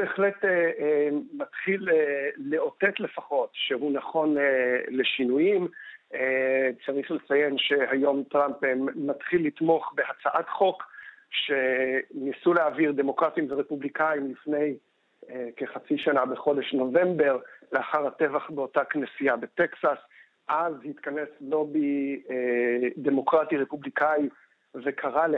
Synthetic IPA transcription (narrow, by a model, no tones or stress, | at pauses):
beeχlete | matχilːeo̞te̞tle̞faχo̞tʃeɦunaχo̞nele̞ʃinujimet͡saʁiχlet͡saje̞nʃe̞hajo̞mtʁampmatχilːit̪mo̞χbe̞hat͡saʔatχo̞k | ʃenisuleaviʁd̪e̞mo̞kʁatimveʁepublikaimlifne̞j | ke̞χat͡siʃanabeχo̞de̞ʃno̞ve̞mbe̞ʁleaχaʁhate̞vaχbeo̞taknesiabeteksas | ʔazhit̪kane̞slo̞bi | d̪e̞mo̞kʁatiʁe̞publikai | ve̞kʰaʁa